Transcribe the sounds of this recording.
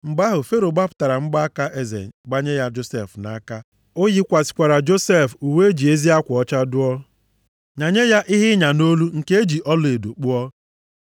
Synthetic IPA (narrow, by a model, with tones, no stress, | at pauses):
ŋ͡m̩˨ɡ͡ba˦ɦʊ˨fe˦ɾo˨ɡ͡ba˦pʊ̥˦ta˨ɾa˨ŋ͡m̩˦ɡ͡ba˦ka˦ʔe˦zḛ˨ɡ͡ba˦ɲe˦ja˦d͡ʒo˦se˦˨fna̰˨˦ka˦ | o˦ji˦kʷa˨si̥˨kʷa˨ɾa˨d͡ʒo˦se˦˨fu˨we˦e˦d͡ʒi˨e˦zi˦a˦kʷɔ˦t͡ʃa˦dʊ˦ɔ˦ | ɲa˨ɲe˦ja˦ʔi˦ɦɪ˦ɲa˨no˦lu˦ŋ̩˨ke˦e˦d͡ʒi˨ʔɔ˦lʊ˦e˨do˨k͡pu˦ɔ˦